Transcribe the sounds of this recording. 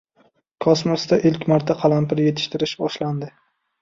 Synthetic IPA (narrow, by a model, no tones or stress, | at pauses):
kʰɒsmosd̪aʔɪlkʲmaɾt̪ʰaqʰɑlˠampɪɾje̞t̪ʰɪ̥ʃt̪ʰɪɾɪʃbɒʃland̪ɪ